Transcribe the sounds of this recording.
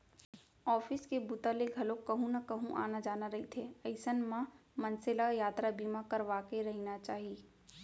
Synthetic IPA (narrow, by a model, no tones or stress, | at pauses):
ɔːfʰɪskebut̪aleɡʱɐlõkɐɦũnakɐɦũʔa̰ːnad͡ʒaːnaɾɐɦit̪ʰeɐɪsənmãmɐ̃nsɪlajaːt̪ɾabiːmãkɐɾʋaːkeɾɐɦinat͡ʃaːɦiiː